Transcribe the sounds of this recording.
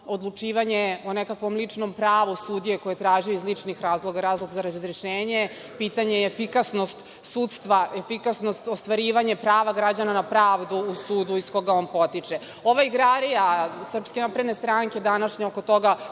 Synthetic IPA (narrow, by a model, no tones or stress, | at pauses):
o̞d̪lˠut͡ʂiːʋaɲe̞onekakʋo̞mlit͡ʂno̞mpɾaːʋusud̪ije̞kojet̪ɾaːʒijoizlit͡ʂnixɾaːzlˠo̞ɡaɾaːzlˠo̞ɡzaɾazzɾiʃeːɲe | piːt̪aɲeːfikasno̞st̪ | suːt̪st̪ʋaʔefikasnost̪ost̪ʋaɾiːʋaɲe̞pɾaːʋaɡɾad͡ʑananapɾaːʋd̪uːsuːd̪uisko̞ɡao̞ːnpo̞t̪it͡ʂe | o̞ʋaiɡɾaɾijasr̩pske̞naːpɾe̞d̪nest̪ɾaŋke̞d̪anaʃɲeokot̪o̞ɡa